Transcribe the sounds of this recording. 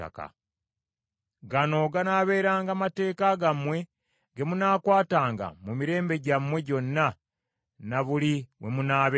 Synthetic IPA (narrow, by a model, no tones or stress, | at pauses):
a̰ka̰ | ɡano̞ɡanaːβe̞ːɾaːŋɡamate̞ːkaɡamwe̞ | ɡe̞munaːkwaːtaːŋɡa̰mumiɾe̞ːmbe̞ɟamwe̞ɟo̞nːa | naβuliwemunaːβe